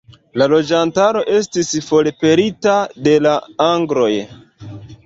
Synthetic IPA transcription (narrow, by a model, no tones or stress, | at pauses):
lalo̞d͡ʒantaɾo̞ʔe̞stisfo̞lepe̞ɾitade̞laaŋɡɾo̞j